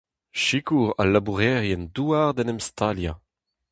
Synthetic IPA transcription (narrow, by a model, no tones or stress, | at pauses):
ʃikuʁa̰labuʁɛʁjɛnduaʁd̪ɛnɛmst̪ʰalja̰